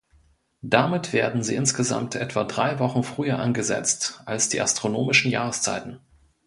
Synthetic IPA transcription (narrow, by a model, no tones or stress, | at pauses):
d̥amɪtv̥eːɐdn̩ziːʔɪnsɡ̥əza̰mtʰʔɛtv̥adʁaɪvɔχn̩fʁ̥yːɐʔa̰nɡəzɛ̰t͡stʔalsd̥ḭːʔastʁ̥onoːmɪʃn̩jaːʁ̞əst͡sa̰ɪtn̩